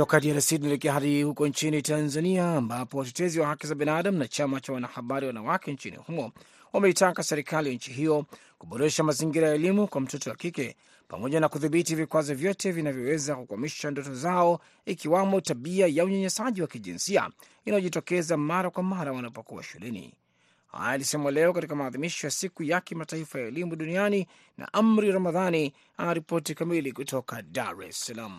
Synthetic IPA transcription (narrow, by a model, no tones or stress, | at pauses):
tɔkadiaɾasiinɛlɛkɛaɦaɗihukɔnt͡ʃinitanzaniaːmbapɔatɛtɛziwahakizabinaɗamnat͡ʃamat͡ʃawanahaɓaɾiwanawakɛnt͡ʃinḭhumɔ | wamɛitakasɛɾikalijaɲ̩t͡ʃiɦijɔ | kuɓɔɾɛʃamaziŋɡiɾajaːlimukwam̩tɔtɔwakikɛ | pa̰mɔʄanakuðiɓitivikwazɔvjɔtɛvinavjɔwɛzakukwamiʃandɔtɔzaɔ | ikiwamɔtaɓiajauɲaɲɛsaʄiwakiʄḭnsia̰ | inajɔʄitɔkɛzamaɾakwamaɾawanapɔkuwa̰ʃulʔɛnḭ | ha̰jalisɛmalɛɔkatikamaːðimiʃɔjasikujakimataifajaɛlimuɗuniani | na̰ʔamɾiɾamaðani | anaɾipɔtikamilikutɔkadaɾɛ̰salam̩